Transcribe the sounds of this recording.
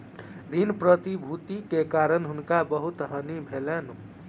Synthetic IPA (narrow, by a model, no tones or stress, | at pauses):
d̪inpɾət̪ibʱut̪ikekaɾənɦunkabəɦut̪ɦənibʱelenu